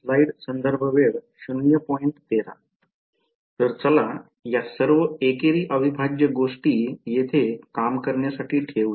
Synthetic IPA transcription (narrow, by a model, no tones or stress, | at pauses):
flaiɽsənd̪əɾbʱəʋeɽɕunjəpɔjɳt̪t̪eɾa̰ | t̪əɾt͡səla | jasəɾʋəekeɾiːʔəʋibʱad͡ʑjəɡoʂʈiːjet̪ʰekamkəɾɳjasaʈiːkʰeʋu